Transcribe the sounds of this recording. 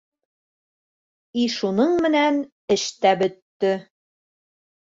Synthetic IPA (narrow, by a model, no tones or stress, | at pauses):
iʃunɤɴmɘ̆næn | ɘ̆ʃt̪æbɵ̆t̪ːɘ